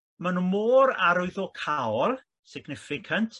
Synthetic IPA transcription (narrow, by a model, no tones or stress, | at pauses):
manumoːɾa̰ɾʊɨðɔkʰawɔlˠ | sɪɡnɪfɪkʰantʰ